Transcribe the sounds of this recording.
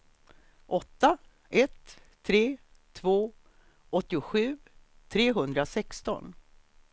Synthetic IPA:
ʔɔt̪ːa | ɛt̪ʰː | ɾeː | t̪ʰvoː | ʔɔt̪ːɪʊɧʉ̟ː | t̪ʰɾeːɦɵnd̪ɾasɛkst̪ɔ̰n

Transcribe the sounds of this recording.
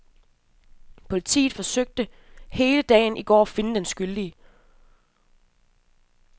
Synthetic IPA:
pʰo̝lit͡sʰḭːð̩ˠfɒ̽søɡ̥̚d̥əhe̝ːləd̥ɛ̰ːɪnʔiɡ̥ɒ̰ːæfe̝nəd̥ensɡ̥yld̥i

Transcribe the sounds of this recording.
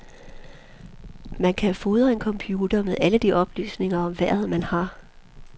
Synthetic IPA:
mænkʰæfo̝ðˠɐe̝nkʰɒ̽mpʰjuːd̥ɐmeðˠæləd̥iʔɒ̽b̥ly̰ːsne̝ŋɐɒ̽mʋæɐ̰ḛmænhɑ̈

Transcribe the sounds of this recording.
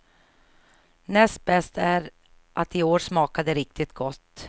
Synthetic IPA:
nɛst̪̚bɛst̪æɾ | ʔat̪ɪoːɾʂmɑːkad̪əɾɪk̚t̪ʰɪt̪̚ɡɔt̪ː

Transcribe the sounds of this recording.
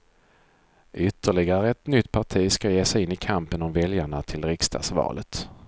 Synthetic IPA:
ʔʏt̪ːəɭɪɡaɾəɛt̪nʏt̪ːpʰaʈʰiːskajeːsɛjɪnːɪkʰampənɔmvɛljaɳat̪ʰɪlɾɪkst̪ʰɑ̰ːsvɑ̰ːlʔət̪

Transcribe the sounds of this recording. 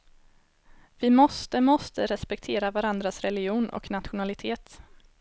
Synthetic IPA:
vɪmɔst̪əmɔst̪əɾɛspɛk̚t̪ʰeːɾavaɾand̪ɾasɾɛlɪɡjuːnʔɔ̰knat̪ɧʊnalɪt̪ʰeːt̪

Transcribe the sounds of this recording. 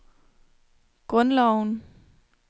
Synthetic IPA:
ɡ̥ʁɔ̽nlɒʊn

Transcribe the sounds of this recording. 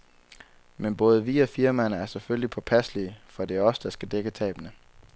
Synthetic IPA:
menb̥ɔ̽ːð̞ˠʋiɒfiɐmænəæɐsefølʲlipʰɒ̽pʰæsliəfɒ̽d̥e̝æɐɒ̽sə̥d̥ɑ̈sɡ̥æd̥eɡ̥ət͡sʰɛ̰ːb̥ənə

